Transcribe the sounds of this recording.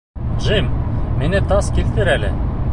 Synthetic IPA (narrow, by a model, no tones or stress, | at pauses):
ʒimminɘt̪ɑskilt̪ɘɾælɘ̰